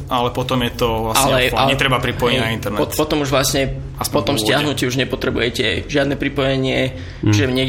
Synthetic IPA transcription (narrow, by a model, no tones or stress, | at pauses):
ʔalɛpɔt̪ɔmjɛt̪ɔʋlasaɲlɛaɲɛt̪ɾɛbapɾipɔjɛɲnaint̪ɛɾnɔpɔt̪ɔmuʒʋlasɲɛ | pɔt̪ɔmscɪaɦnuciuʒɲɛpɔt̪ɾɛbujɛcɛʒɪad̪nɛpɾipɔjɛɲɪɛ | ʒɛɲɛɡ